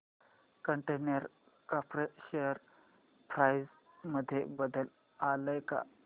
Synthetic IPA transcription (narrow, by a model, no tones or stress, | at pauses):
kəɳʈenəɾ | kapɾeɕejəɾ | pʰɾajz | məd̪ʱːjḛbəd̪əl | aləjka̰